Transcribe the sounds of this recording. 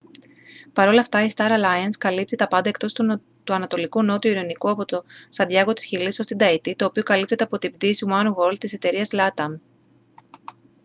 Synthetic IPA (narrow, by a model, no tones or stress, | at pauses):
pɐɾo̞lɐft̪ɐist̪ɐɾɐlɐjɐnskɐlip̚t̪it̪ɐpɐnd̪ɐe̞kt̪o̞st̪ | t̪uɐnɐt̪o̞likuno̞t̪uiɾonikuɐpo̞t̪osɐnd̪jɐɣo̞t̪i̥sçilisost̪id̪ɐit̪it̪o̞ːpio̞kɐlipt̪et̪ɐpo̞t̪ibd̪isumɐnɣo̞lt̪ise̞t̪e̞ɾiɐzlɐt̪ɐm